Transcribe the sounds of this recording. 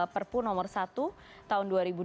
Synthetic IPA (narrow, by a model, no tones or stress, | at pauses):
pərpunɔmɔrsat̪u | t̪aɦʊnduaɾibu